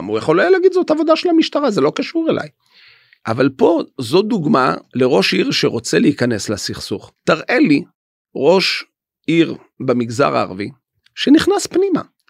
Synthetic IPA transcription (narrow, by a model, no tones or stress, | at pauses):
mujaχolajalaɡid̪zotavo̞d̪aʃelamiʃt̪aʁazelo̞kaʃuʁelʔa̰j | ʔavalpo̞zo̞d̪uɡma̰leʁo̞ʃiʁʃeʁo̞t͡se̞leikane̞slasiχsuχt̪aʁʔe̞li | ʁo̞ʃ | iʁ | bemiɡza̰ʁa̰ːʁvi | ʃe̞niχnaspnima̰